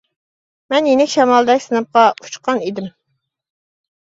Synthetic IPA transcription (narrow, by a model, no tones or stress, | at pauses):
mɛnjenɪkʲʃɛmɑlˠd̪ɛkʲsɨnɨp̚qɑu̥t͡ʃqʰɑnid̪ɪm